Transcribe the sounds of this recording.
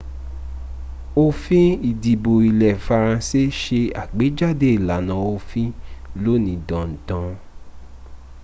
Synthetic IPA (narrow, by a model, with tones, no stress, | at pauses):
o˧fĩ˦i˨di˨bo˨i˨lɛ˨fa˧ɾ̃ã˧se˦ʃe˧a̰˨ɡ͡be˨˦d͡ʒa˦˨de˦i˨la˨˦nã˧˨o˧fĩ˦lo˦nĩ˧˦dɔ̃˨n̩˨dã˧˦